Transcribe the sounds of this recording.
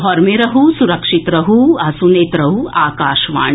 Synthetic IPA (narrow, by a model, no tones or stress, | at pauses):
ɦɔɾmeɾɐɦusuɾɐkʂit̪ɾɐɦuɐsuneːt̪ɾɐɦuaːkaːʃʋa̰ːɳ